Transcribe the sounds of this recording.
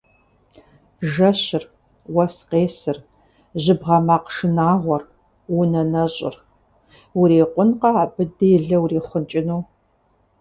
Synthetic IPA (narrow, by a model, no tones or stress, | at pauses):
ʒɐɕɪr | wɐsqeːsɨr | ʑɪbʁɐmaːqʂɨnaːʁʷɔr | wunɐnɐɕʼɪ̰r | wuɾeːqʷʼʊnqɐabɨdɨjɪɮɐwreːχʷʊnt͡ʃʼɪnuː